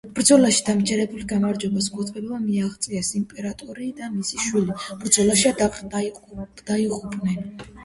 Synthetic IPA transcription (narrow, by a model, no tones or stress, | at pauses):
b̥ɾd̪zɔlaʃi̥d̪̥amd͡ʒɛɾɛbulɡamaɾd͡ʒɛbasɡʼɔt̪t̪ʼvɛlɔbamiaʁt̪sʼiasimpʼɛɾat̪ʼɔɾid̪amisiʃwilib̥ɾd̪zɔlaʃiad | d̪̥aiqʼupʼnɛn